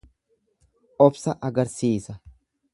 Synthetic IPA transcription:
ʔɔbsɐʔɐɡɐɾsiːsɐ

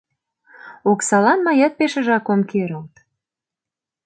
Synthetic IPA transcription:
oksɑlɑnmɑjɑt̪̚peʃə̆ʒɑkomkeɾə̆lt̪

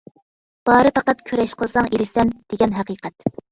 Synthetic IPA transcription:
b̥ɑːɾɨpɑqæt̪kʲʰøɾɛʃqʰəlˠsɑŋeɾɪsɛnd̪̥eɡʲɛnɦæqiːqʰɛt̪

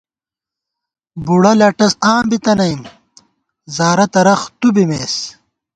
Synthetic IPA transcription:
buɽɐlɐʈɐsaːmbit̪ɐnɐjim | zaːɾɐt̪ɐɾɐxt̪ubimeːs

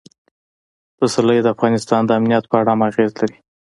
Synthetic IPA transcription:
d̪̥əsaləjed̪əafɣɑnɪst̪ɑnd̪əamnijat̪̚pəaɽamaɣezlaɾi

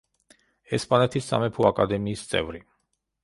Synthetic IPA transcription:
ɛspʼanɛt̪ʰisa̰mɛpʰuakʼad̪ɛmiːst̪sʼɛ̰vɾi

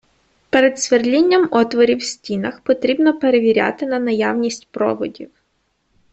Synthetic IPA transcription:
peɾed̪sʋerlʲinʲːɐmɔt̪ʋɔɾʲiwsʲtʲinɐxpɔt̪ɾʲibnɔpeɾeʋʲiɾʲa̰t̪ɪnɐnɐjawnʲisʲtʲpɾɔ̰ʋɔdʲiw

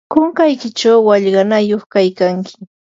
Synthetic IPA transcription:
koŋkajkɪt͡ʃawːaʎɢɑnajoχkajkaŋkʰɪ̥

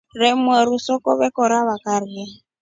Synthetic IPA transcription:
rɛmwɛɾusɔkɔ̰βɛkɔɾaβakaɾia

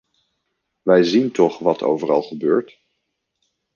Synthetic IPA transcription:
ʋɛjzintɔχʋɑtʰo̰wvərɑ̰lˠχəbøːɹt

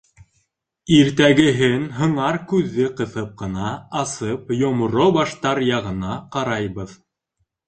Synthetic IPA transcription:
iɾt̪æɡɘ̆ɦɘnɦɤ̆ɴɑɾkʉðːɘqɤ̆θɤp̚qɤ̆nɑːsɤpjŏmŏɾobɑʃt̪ɑɾjɑʁɤ̆nɑqɑɾɑjβɤð

